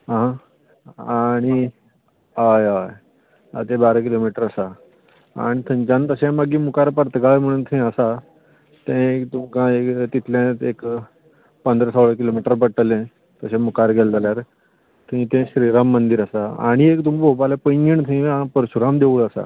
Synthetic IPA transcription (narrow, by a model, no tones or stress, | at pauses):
ɦaɦã | aɽ̃i | ajaj | a̰t̪ẽbaɾək̬ilomiʈəɾəsa | a̰ɽ̃it̪ʰə̃ɲt͡ɕãnt̪əɕẽmaɡĩːmukaɾpəɾt̪əɡaɭem̤əɽ̃uːnt̪ʰəĩəsa | t̪ɛ̃kt̪umkãekt̪it̪ʰljẽek | pənd̪ɾəsəʋɭək̬ilomiʈəɾp̬əɽʈəlẽ | t̪əɕẽmukaɾɡʱɛld͡zaljaɾ | t̪ʰəĩt̪ẽɕɾiɾamːənd̪iːɾəsaa̰ɽ̃iekt̪umpopalepəjɡiɳt̪ʰəĩãpəɾɕuɾamd̪euːləsa̰